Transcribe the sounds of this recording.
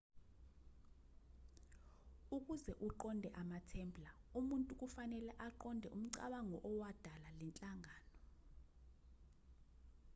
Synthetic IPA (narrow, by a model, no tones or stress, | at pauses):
uk̬ʼuzɛʔuǃɔndʱɛʔamatʰɛːmbʰʼlaumuntʼuk̬ʼufanɛlɛʔaǃɔndʱɛʔum̩ǀa̰ɓaŋɔʔɔwad̥ʱalalɛnt͡ɬʼaŋʱaːnɔ